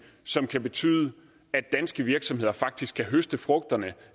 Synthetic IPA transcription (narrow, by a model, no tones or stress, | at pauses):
sɒ̽mkʰæb̥e̝t͡sʰy̰ːðˠə | æd̥ːænsɡ̥əʋiɐɡ̥sɒ̽mɦe̝ð̰ˠɐfɑ̈ɡ̥̚d̥isɡ̥ʰæɦøsd̥əfʁɔ̽ɡ̥̚d̥ɐnə